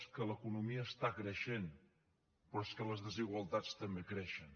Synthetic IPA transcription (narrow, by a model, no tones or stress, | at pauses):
skələkunumiəːst̪akɾəʃen | pɾɔeskələzðəziɣwəlˠt̪at͡st̪əmbekɾɛʃən